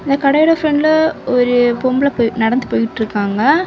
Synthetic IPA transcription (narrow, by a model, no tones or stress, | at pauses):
ɪnd̪ɐkɐɽɐjɪɽɐfɾɐɳɖɪlɔɾɯpombɪlɐpːnɐɽɐnd̪ɯpoːjɪʈːɾɯkːaːŋɡɐ